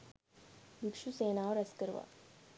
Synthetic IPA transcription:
ʋɪkʃuseːnaɔɾɐskəɾʋa̰

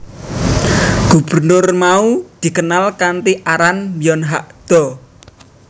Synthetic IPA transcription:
ɡ̥ub̥ərnʊrmaud̪̥i̤kənalkant̪iʔaɾanbiɔnɦaʔd̪̥ɔ

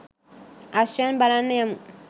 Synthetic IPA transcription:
asɛnbalanɪ̃amu

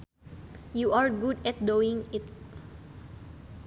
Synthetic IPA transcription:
juaɹɡudɛt̪̚d̪oɪ̃ŋɪt̪̚

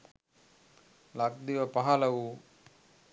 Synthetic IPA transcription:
lak̚d̪iʋɐpaɦalɐwu

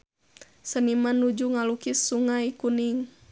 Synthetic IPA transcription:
sənimanːud͡ʒuŋalukisuŋaikuniŋ

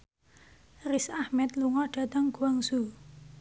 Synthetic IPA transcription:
risahmɛt̪luŋɔɖ̥a̤t̪əŋɡ̥uwaŋsu

